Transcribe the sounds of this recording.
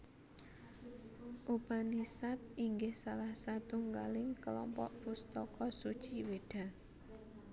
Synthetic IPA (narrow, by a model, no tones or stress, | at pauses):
ʔupanisat̪̚iŋɡɪhsalahsat̪uŋɡa̰lɪŋkəlɔ̰mpɔ̰ʔpust̪ɔkɔsud̥t͡ʃiweɖ̥a̤